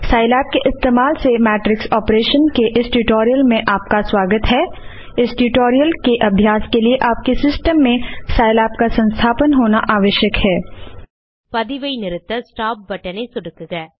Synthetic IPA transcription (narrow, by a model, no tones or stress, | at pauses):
saːɪlaːp̚keʔɪst̪eːmaːlsemɛːʈɾɪksɔːpɾeːʃənkeʔɪsʈuʈoːɾijəlmẽʔaːp̚kaswaːɡət̪ɦɛː | ɪsʈuʈoːɾijəlkeʔɐbʱjaːskelieʔaːp̚kesɪsʈəmːẽsaːɪlaːpkasɐ̃nst̪ʰaːpənɦoːnaʔaːʋəʃjəkhɛː | pɐd̪iʋəinɪɾɪt̪əsʈaːp̚bɐʈənesʊɽkɡɛː